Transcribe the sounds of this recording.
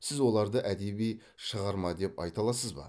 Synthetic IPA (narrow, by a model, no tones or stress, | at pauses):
sɪzwo̞lˠɑɾd̪əʔæd̪e̞bij | ʃəʁɑɾmɑd̪e̞pɑ̰jt̪ɑlˠɑsəzbɑ̰